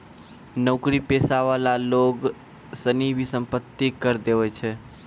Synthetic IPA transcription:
nəʊkɾipesaʋalaloɡ | sənibʱisəmpət̪ːikəɾd̪eʋɛt͡ʃʰɛ

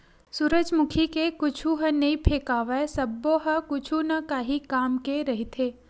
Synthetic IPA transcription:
suɾəd͡ʒmʊkʰikekʊt͡ʃʰuɦənɐĩpʰeːkaːʋesɐbːoɦəkʊt͡ʃʰunɐkaːɦikaːmkeɾɐɦit̪ʰeː

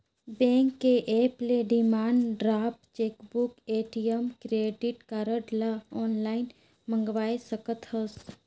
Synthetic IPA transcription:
bɛ̃ːŋkːeʔeːpleɖimaːɳɖɾaːpʈt͡ʃeːkbukeːʈijəmkɾeːɖɪʈkaːɾəʈlaɔːnlaːɪn | mə̃ŋɡʋaːesəkət̪həs

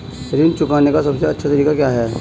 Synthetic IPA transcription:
ɾiːnt͡ʃʊkaːnekasɐbseɐtːʃʰat̪ɐɾiːkakjaːɦɛː

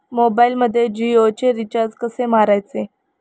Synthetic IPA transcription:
mobailməd̪ʱːjed͡ʑiot͡ɕeɾit͡ɕaɾd͡zkəsemaɾajt͡se

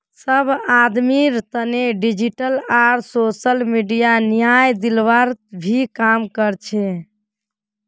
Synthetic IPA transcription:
səbʱad̪miɾt̪əneɖid͡ʒiʈəlaɾsosəlmiɖijanijajd̪ilʋaɾbʱikamkəɾt͡ʃʰɛ

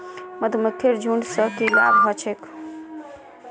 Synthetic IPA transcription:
məd̪ʱməkʰːeɾd͡ʒʱuɳɖsəkila̰bɦʌt͡ʃʰek

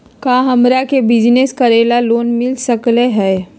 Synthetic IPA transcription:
kaːɦəmɾakebɪd͡ʒneskəɾeːlaloːnmɪlsəkleɦɛ

